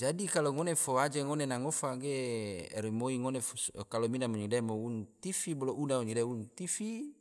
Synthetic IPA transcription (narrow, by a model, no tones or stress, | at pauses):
d͡ʒadikaloŋonefoad͡ʒeŋonenaŋofaɡḛɾimoiŋonefkalominamoɲidamount̪ifiboloʔunauɲidaunt̪ifi